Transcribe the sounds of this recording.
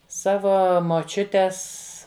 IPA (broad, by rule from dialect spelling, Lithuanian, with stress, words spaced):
ˈsɑːʋoː moːˈt͡ʃʲʊtʲɛs